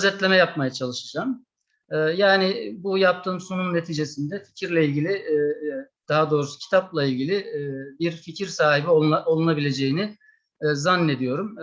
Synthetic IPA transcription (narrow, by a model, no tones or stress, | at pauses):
zɛt̪lʲe̞mɛjap̚majat͡ʃʰalˠɯʃad͡ʒaːm | ɛːjaːnɪbujap̚t̪ʰɯːmsununːe̞t̪ʰiːd͡ʒe̞sind̪ɛfi̥cʰiɾlʲɛilʲɟilʲɪ | d̪̥aɦad̪o̞ːɾusu̥cʰi̥t̪ʰaplˠailʲɟilʲɪbiɾficʰiɾsaːɦibioao̞lˠunabilʲe̞d͡ʒe̞jinɪ | zanːe̞d̪ijo̞ɾum